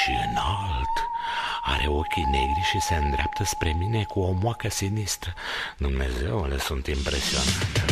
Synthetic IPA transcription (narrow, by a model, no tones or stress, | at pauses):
ʃiɨ̰nalt̪a̰ɾʔe̞o̞kʲine̞ɡɾiʃise̞ɨnd̪ɾeapt̪əspɾe̞mine̞kuo̞mwakəsinist̪ɾəd̪umne̞̰ze̞wlesunt̪impɾe̞sio̞̰nat̪e